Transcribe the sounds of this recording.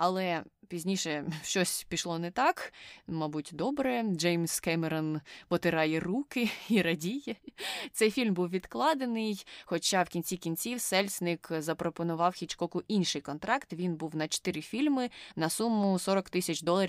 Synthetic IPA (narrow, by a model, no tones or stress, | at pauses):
ɐlˠɛpʲizʲnʲiʃɛʃt͡ʃɔsʲpʲiʃlˠɔnɛt̪ɑkmɑbutʲd̪ɔbɾɛd͡ʒɛjmʲskɛmɛɾɔnpɔt̪ɪɾɑjɛrukɪiɾɐdʲijɛt̪sɛjfʲilʲmbuwʋʲid̪klˠɑd̪enɪjxɔt͡ʃɑwkʲinʲt͡sʲikʲinʲt͡sʲiwsɛlʲsʲnɪkzɐpɾɔpɔnʊʋɑwxʲit͡ʃkɔkʊʔinʲʃɪjkɔnt̪ɾɑkt̪ʋʲinbuwnɐt͡ʃɔ̥t̪ɪɾɪfʲilʲmɪnɐsumːʊsɔɾɔkt̪ɪsʲɐt͡ʃd̪ɔlˠɐɾʲ